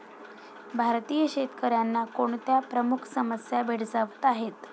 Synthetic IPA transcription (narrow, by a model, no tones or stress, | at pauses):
bʱaɾt̪ijəɕet̪kəɾjanːakoɳt̪japɾəmukʰsəməsjabʱeɽd͡zaʋət̪aɦet̪